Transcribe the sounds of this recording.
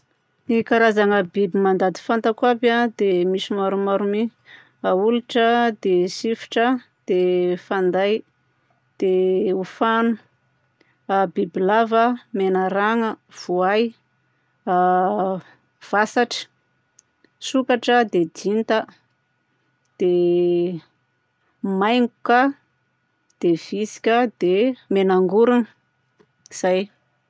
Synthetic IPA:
nikaɾazaŋəbibimand̪ad̪i̥fant̪akwabad̪emisimaɾumaɾumi | auluʈ͡ʂəd̪esifi̥ʈ͡ʂə | d̪̥efand̪aj | d̪̥eufanu | bibilavəmenaɾaŋəv̥uaj | v̥asaʈ͡ʂə̥ | sukaʈ͡ʂəd̪ed̪int̪ə | d̪̥e | majŋɡuka | d̪̥ev̥isi̥kʲəd̪emenaŋɡuɾunə | iz̥aj

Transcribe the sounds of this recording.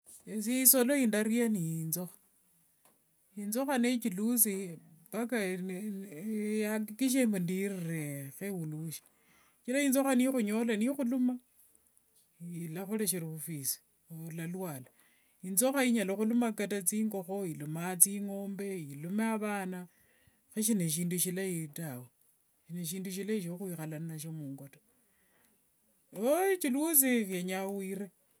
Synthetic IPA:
esiisolo̞indaɾianijinzo̞xḁ | inzo̞xanet͡ʃilus̬ipaka | jakikiʃ̬embundirirexewuluʃi̥ | t͡ʃilaind͡zo̞xanixuɲo̞lanixuluma | ilaxuleʃ̬iɾiβufisi̥ | lalwaːla | inzoxaiɲaloxulumakatat͡siːŋɡo̞xo̞ilumat͡siŋo̞ːmbe̞ilumeaβaːna | xeʃ̬ineʃ̬iːnduʃilaitawe | ʃineʃ̬iːnduʃ̬ilaiʃ̬oxwixalananaʃ̬omuːŋɡoto | ot͡ʃiluut͡sixjeɲawiːɾe

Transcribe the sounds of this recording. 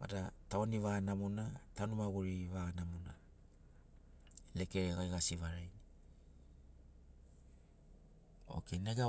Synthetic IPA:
ma̰dataoniβanamunatanumaɡuɾiβanamuna | le̞keɾeɣajɡasiβaɾajni | o̞̰keneɡa

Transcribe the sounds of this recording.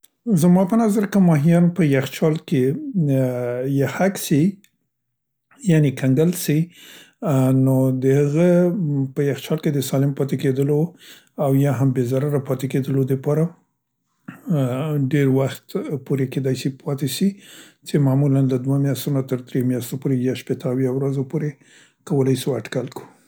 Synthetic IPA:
zmɑpənazaɾkəmɑɦijɑnpəjaxt͡ʃɑlke | jahaksi | janekʰaŋɡəlsi | nod̪əhəɣəpəjaxt͡ʃɑlked̪əsɑlɪmpɑt̪eked̪əlo | awjɑɦambezaɾaɾapɑt̪eked̪əlod̪əpɑɾa | ɖeɾwaxt̪poɾeked̪ɑjsipʰɑt̪eʃi | t͡ʃemamulanlad̪wamjast̪unat̪əɾd̪ɾemjast̪opoɾejaʃpet̪əːwjawɾazopoɾe | kawəlajsiwaʈkalku̥

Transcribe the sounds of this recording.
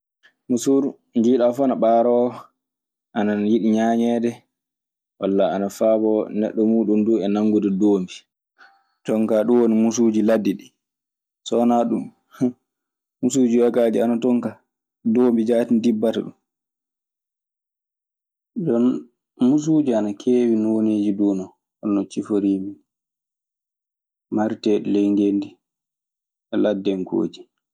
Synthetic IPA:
musuɾ | nd͡ʒiːɗafɔnaɓaːɾɔ | ʔanajiɗiɲaːɲɛːdɛ | walːaanafabɔnɛ̰ɗːɔmuːɗumduɛnaŋːɡudɛdoːmbi | tɔŋkaɗuwonimusud͡ʒiladːiɗi | sɔnaɗum | musud͡ʒiwakaːd͡ʒianatɔŋka | doːmbid͡ʒaːtindibːata̰ɗṵm | d͡ʒɔn | mus̬uːd͡ʒianakʰeːwinɔwoneːd͡ʒiduːnɔ | ɔnːɔt͡ʃifoɾimi | maɾtɛɗlɛŋɡendi | ɛladːɛŋko̰ːd͡ʒi

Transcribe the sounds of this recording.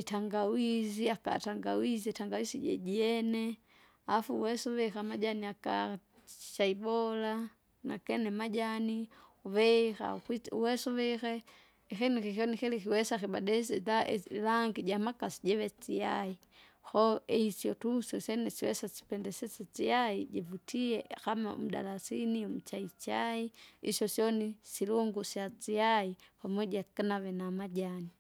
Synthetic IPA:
itaŋɡawiziaka̰taŋɡa̰wiziitaŋɡawisiɟɛ̰ɟiɛnɛ | afuuwɛsɔʋɛxamaɟaniaka̰ | i̥t͡ʃaibɔla | na̰kɛnɛmaɟaniuvɛxa̰kwiuwɛsɔʋɛxɛ | ixinikixɔnixilixiwɛsaxibadɛsɛtalaŋɡiɟamakasi̥ɟeβet͡siai | xoeisjotusosenesiwɛ̰sasi̥pɛndɛset͡set͡sijaiɟevutʰiexamao̰muda̰lasiniomut͡ʃait͡ʃaiiʃjosjonisiluŋɡusjat͡siaipamweɟakanaβenamaɟani

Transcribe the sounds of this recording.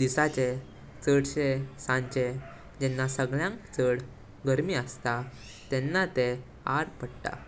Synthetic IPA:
d̪isat͡ɕe | t͡səɽt͡ɕesãɲt͡ɕe | d͡ʑɛnːasəɡɭjãŋkt͡səɽ | ɡəɾmiːəst̪a | t̪ɛnːat̪e | aɾpəɽʈ̪a̰

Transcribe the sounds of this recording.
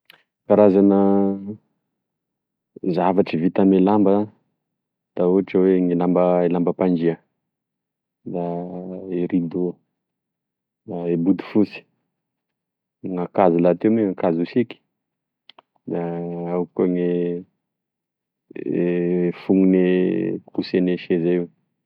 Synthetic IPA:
kaɾazanə | zavaʈ͡ʂəvit̪amelambə | d̪̥auʈ͡ʂəweŋilambəelambəpand͡ʒiə | d̪a | eɾid̪o | d̪aebud̪u̥fusi̥ | ŋakazilat̪emeakazusiki̥ | d̪aawkoŋe | fuŋunekuseneʃezaiw

